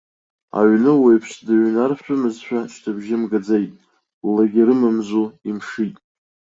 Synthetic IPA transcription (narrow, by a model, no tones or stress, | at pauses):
a̰ʕnɨwejpʰʂdɨʕnarʃʷᶣʊmɨzʃᶣat͡ʃʰtʰabʒɪmɡad͡zejtʼ | laɡʲiɾɨmɨmzuimʂitʼ